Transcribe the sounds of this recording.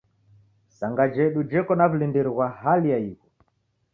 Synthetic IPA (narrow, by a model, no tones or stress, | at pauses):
saŋɡad͡ʒɛɗud͡ʒɛkɔnaβulindiɾiɣwahalijaiɣɔ